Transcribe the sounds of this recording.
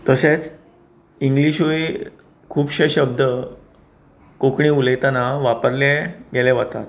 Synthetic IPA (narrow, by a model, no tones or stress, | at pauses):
t̪əset͡s | iŋɡliɕoi | kʰuːpɕeɕəb̚d̪ə | kokɳĩulejt̪anaʋapəɾlɛɡɛlɛʋat̪a̰t̪